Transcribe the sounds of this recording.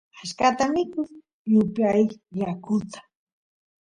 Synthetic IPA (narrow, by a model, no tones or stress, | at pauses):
aʃkat̪amɪkʊ | jʊpjajjakʊt̪ḁ